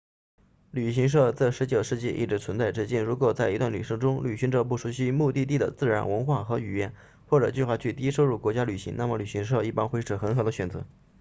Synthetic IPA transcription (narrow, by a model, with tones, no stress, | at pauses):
ly˨˩ɕi˧˥ŋʂ̬ɤ˥˧t͡s̩˥˩ɪʂɻ̩˧˥t͡ɕjo˨˩ʊʂɻ̩˥˧t͡ɕi˥˧ʔḭ˥˩ʈ͡ʂɻ̩˧˥t͡sʰwə˧˥nt͡sa˥˧ɪʈ͡ʂɻ̩˥˧t͡ɕi˥˩nɻu˧˥kwɔ˨˩t͡sa˥˧ɪi˧˥t̪wa˥˩nly˨˩ʂɤ˥˩ʈ͡ʂʊ˥ŋly˨˩ɕi˧˥ŋʈ͡ʂɤ˥˧p̬u˥˩ʂu˧˥ɕi˥mu˥˧t̪i˥˧t̪i˥˩d̪ə̰˩t͡sɹ̩˥˩ɻa˧˥nwə˧˥nxwa˥˩xɤ˧˥y˨˩jɛ˥˩˦n | xwɔ˥˩ʈ͡ʂɤ˨˩t͡ɕy˥˧xwa˥˧t͡ɕʰy˥˩t̪i˥ʂo˥ʊɻu˥˩kwɔ˧˥t͡ɕja˥ly˨˩ɕḭ˧˥ŋna˥˩mə˩ly˨˩ɕi˧˥ŋʂ̬ɤ˥˧i˥˩pa˥nxwe˥ɪʈ͡ʂɤ˨˩xə˧˥nxɤ˧˥d̪ə˧ɕɥɛ˨˩nt͡sɤ̰˧˥